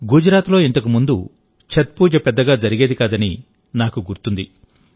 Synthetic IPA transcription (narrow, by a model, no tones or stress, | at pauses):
ɡud͡ʒɐɾaːt̪lo̞ːint̪ɐkumund̪u | t͡ʃʰɐt̪̚puːd͡ʒɐpɛd̪ːɐɡaːd͡ʒɐɾiɡe̞ːd̪ikaːd̪ɐni | naːkuɡuɾt̪und̪i